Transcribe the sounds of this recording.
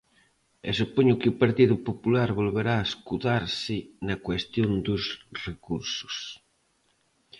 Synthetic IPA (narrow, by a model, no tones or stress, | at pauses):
ḛsupoɲʊkɪʊpaɾt̪iðʊpopulaɾβolβeɾaːeskuðaɾsɪnɐkwest̪jond̪ʊsrekuɾsʊ̥s